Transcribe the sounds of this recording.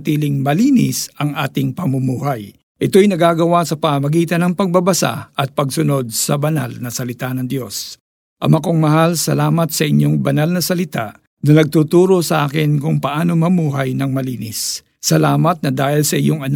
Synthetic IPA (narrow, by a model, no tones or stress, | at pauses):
t̪iːlɪŋmɐliːnɪ̰sɐŋʔa̰ːt̪ɪŋpɐmʊmuːɦɐj | ʔɪt̪o̞jnɐɡaɡɐwasɐpɐmɐmɐɡiːt̪ɐnɐŋpɐɡ̚bɐbɐsa̰ɐt̪̚pɐɡsʊno̞d̪̚sɐbɐna̰lnɐsɐlɪt̪anɐŋd̪jo̞s | ʔɐmɐkoŋmɐɦalsɐlaːmɐt̪sɐʔɪɲːo̞ŋbɐnalnɐsɐlɪt̪a̰ | nɐnɐɡ̚t̪ut̪uːɾo̞sɐʔaːkɪnkʊŋpɐʔaːno̞mɐmuːɦɐjnɐŋmɐliːnɪsː | ɐlaːmɐt̪̚nɐd̪aːhɪlsɐʔɪjoŋɐn